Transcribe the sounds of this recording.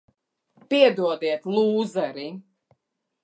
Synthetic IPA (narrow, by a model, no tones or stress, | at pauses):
piɛd̪uɔd̪iɛt̪lˠuːzɛɾi